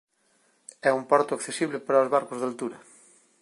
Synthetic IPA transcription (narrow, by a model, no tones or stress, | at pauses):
ɛumpɔɾt̪ʊakθesiβ̞lepaɾaozβaɾkozðalt̪uɾɐ